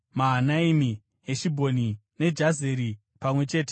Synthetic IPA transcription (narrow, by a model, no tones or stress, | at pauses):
maɦanaimi | ɦeʃibʱo̞nine̞d͡ʒazeɾi | pamwe̞t͡ʃe̞ːte̥